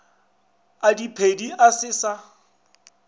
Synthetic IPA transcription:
adipʰediʔasɪsa

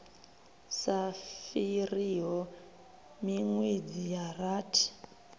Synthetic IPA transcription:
safiriɦɔ | miŋwed͡zijaraːtʰi̥

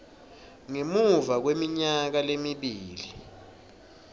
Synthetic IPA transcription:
ŋemuvak̬wemiɲak̬alemiɓiːli

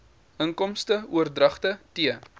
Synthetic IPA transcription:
əŋkɔmstəuərdrɐχtətiə

